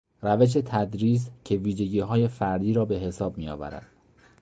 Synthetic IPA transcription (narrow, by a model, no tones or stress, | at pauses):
ræve̞ʃ̬e̞t̪ʰæd̪ɾiːs̬cʰe̞viːʒe̞ɟiːɦɒːje̞fæɾd̪iːɾɒːbe̞ɦe̞sɒːb̚mijɒ̰ːvæ̰ɾæ̰d̪̥